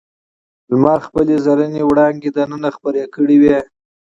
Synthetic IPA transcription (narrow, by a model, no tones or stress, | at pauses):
lmɑxpəlezaɾənewɽɑŋɡed̪anənaxpəɾekəɽiwe